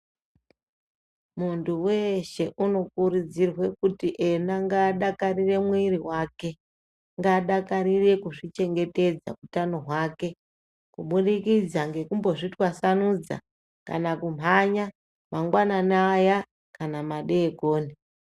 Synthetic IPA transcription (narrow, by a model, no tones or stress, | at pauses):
muntʰuwe̞ʃe̞ʔuno̞kuɾud͡zirwe̞kutiʔe̞naŋɡaːɗakarire̞mwiɾiwaːke̞ | ŋɡaɗakaɾire̞kuʐit͡ʃe̞ŋɡe̞te̞d͡za̰utano̞ɦwaːke̞ | kuɓuɗikid͡zaŋɡe̞kumbo̞ʐitwasanud͡za̰ | ka̰nakum̤ʱaɲa | maŋɡwananaːja | kanamaɗe̞ːkoːni